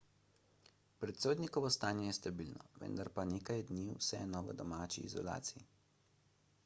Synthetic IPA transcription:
pɾɛt̪soːd̪nikɔʋɔst̪aːnjɛjɛst̪abilnɔ̰ʋə̰nd̪aɾpaneːkajd̪niwsɛnɔʋə̰d̪ɔmaːt͡ʃḭːzɔ̰la̰ːt̪siji

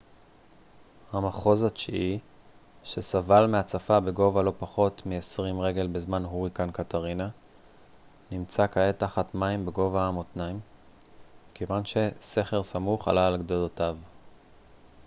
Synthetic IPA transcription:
hamaχo̞zat͡ʃii | ʃe̞savalmeat͡safabe̞ɡo̞valo̞paχo̞tmiesʁimʁe̞ɡe̞lbezmanɦuʁikankataʁina | nimt͡sakae̞taχatmaimbeɡo̞vaamot̪naim | kevanʃe̞se̞χe̞ʁsamuχa̰laːlɡd̪olotav

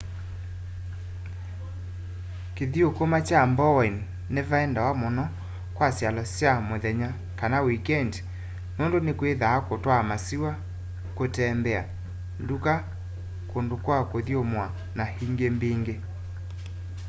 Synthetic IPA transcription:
keðiokomat͡ʃambɔɛnː | evaɛndawamonɔ | kwasjalɔsjamoðɛɲa | kanawikɛnd | nondonekweðaːkotwamasiwa | kotɛmbɛa̰ | nduka | kondokwakoðijomwa | nahiŋɡembeŋɡe

